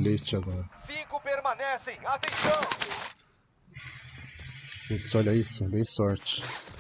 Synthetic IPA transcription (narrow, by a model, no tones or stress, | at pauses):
let͡ʃɪaɡɔɾɐsĩkʊpeɾmãnɛsẽj̃at̪ẽsɐ̃w̃ | vesɔʎɐisʊd̪ejsɔɾt͡ʃɪ̥